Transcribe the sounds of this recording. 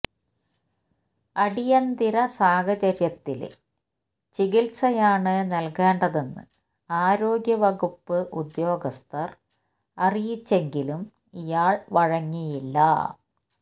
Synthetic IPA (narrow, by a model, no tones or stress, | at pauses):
ɐɽijɐnd̪iɾɐsaːhɐt͡ɕɐɾjɐt̪ːil̰ | t͡ɕiɣilsɐjaːɳɨnɐlkeːɳɖɐðe̞nːɨ̰ | aːɾo̞ːɡjɐʋɐɣupːɨʔud̪jo̞ːɡɐst̪ʰɐr | ɐrijit͡ɕːe̞ŋɡilum | ijaːɭʋɐɻɐŋːijilːɐ̰